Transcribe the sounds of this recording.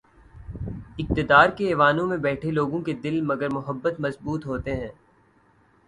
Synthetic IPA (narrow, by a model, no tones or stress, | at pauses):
ɪk̚t̪ɪd̪aːɾkeeːʋaːnõmẽbɛːʈʰeloːɡõked̪ɪlmɐɡəɾmʊɦəbːət̪mɐzbuːt̪ɦoːt̪eɦɛ̃ː